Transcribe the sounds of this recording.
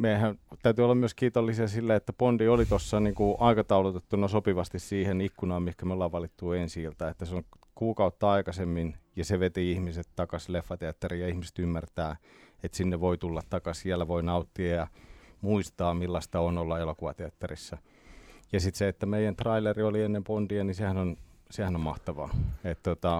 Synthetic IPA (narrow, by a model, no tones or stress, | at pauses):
meihænt̪æyt̪yolːɑmmyøskiːt̪olːisiɑsilːæet̪ːæpondiolit̪osːɑniːŋkuʔɑikɑt̪ɑulut̪et̪ːunɑsopiʋɑst̪issiːhenikːunɑːmmihkæmeolːɑʋʋɑlit̪ːuensiilt̪ɑet̪ːæseoŋ | kuːkɑut̪ːɑɑikɑsemːinjɑseʋet̪iihmiset̪t̪ɑkɑslefːɑt̪eɑt̪ːerijɑihmise̥t̪ymːært̪æːet̪sinːeʋʋoit̪ulːɑt̪t̪ɑkɑsælæʋoinɑut̪ːiɑjɑmuist̪ɑːmilːɑst̪ɑonolːɑelokoʋɑt̪eɑt̪ːɑrisːɑ | jɑsit̪seet̪ːæmeijænt̪rɑileriolienːempont̪iɑnisehænonsehænommɑht̪ɑʋɑ̰ːet̪t̪ot̪ɑ